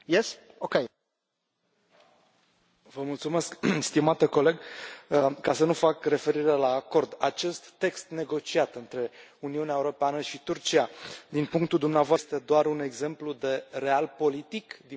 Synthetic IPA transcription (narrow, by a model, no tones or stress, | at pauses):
jes | okʲej | vəmult̪sume̞skst̪imat̪əko̞le̞ɡ | kːasənufakre̞fe̞ɾiɾelaːko̞rd̪at͡ʃe̞st̪ːe̞kst̪ne̞ɡo̞t͡ʃiat̪ɨnt̪ɾe̞uniuneaeuɾo̞peanəʃit̪urt͡ʃiad̪inpuŋk̚t̪uld̪umneavoast̪e̞d̪oaɾune̞ɡze̞mplud̪e̞re̞alpo̞lit̪ikd̪i